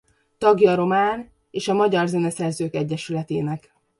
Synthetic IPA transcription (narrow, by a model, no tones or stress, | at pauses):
t̪ɒɡjɒɾo̞maːn | eːʃɒmɒɟɒrzɛnɛsɛrzøːkɛɟːɛʃylɛt̪ḛːnɛk